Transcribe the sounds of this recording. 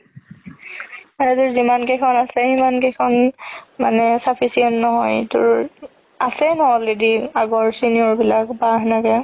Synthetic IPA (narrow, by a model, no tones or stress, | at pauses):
manɛt̬ʊɹzimankekʰɔnasɛimankekʰɔnmanɛsapʰisiɔntnɔɦɔjtʊ̰ɹ | asɛnɔɔlediaɡɔɹsiniɔɹbilakbaɦnakɛ